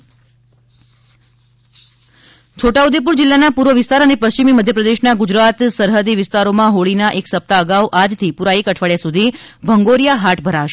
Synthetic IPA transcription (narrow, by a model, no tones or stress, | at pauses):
t͡ʃʰoʈaud̪ep̬uɾd͡ʒɪlːanapuɾʋəʋɪst̪aɾənepəst͡ʃimiməd̪ʱjəpɾəd̪eʃnaɡʊd͡ʒɾat̪səɾɦəd̪iʋɪst̪aɾomãɦoɭinaʔeksəp̚t̪aəɡauʔad͡ʒt̪ʰipuɾaikəʈʰʋaɭjasud̪ʱibʱəŋɡoɾjaɦaʈʰbʱəɾaʋʃe